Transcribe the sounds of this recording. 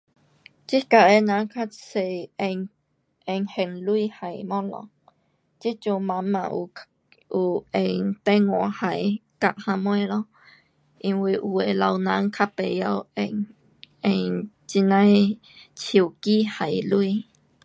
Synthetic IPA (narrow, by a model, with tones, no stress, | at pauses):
t͡ʃi˦ka˨ʔe˧˨nã˧˦ŋkʰa˦t͡se˧˨ẽ˧ | ẽ˧ŋhe˧˨nlu˧˦iː˦ha˧˨jmɔ̃˦lɔ̰̃˧˨ | t͡ʃi˦t͡ʃũ˧mã˧mã̰˧˨ʔṵ˧˨ | u˧˨ẽ˧jt̪ẽ˦ŋwɔ̰̃˨ha˧˨jka˧ʔhã˧mwẽ˦ɾɔ̃˦ | ĩ˧wi˧ʔwe˨la˧wnã˧˦ŋkʰa˦pe˨ja˧we˧ | ẽ˧j | t͡ʃi˧nã˦j | t͡ʃju˨kiː˦ha˨jlu˦iː˦˧